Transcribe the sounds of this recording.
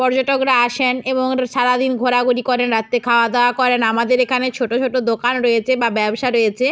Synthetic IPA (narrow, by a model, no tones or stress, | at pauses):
pɔɾd͡ʑoʈokɾaaʃeneboŋʃaɾad̪inɡʱoɾaɡuɾikɔɾenɾat̪ːekʰaoad̪eoakɔɾenamad̪eɾekʰanet͡ɕʰoʈot͡ɕʰoʈod̪okanɾojet͡ɕʰebabɛbʃaɾojet͡ɕʰe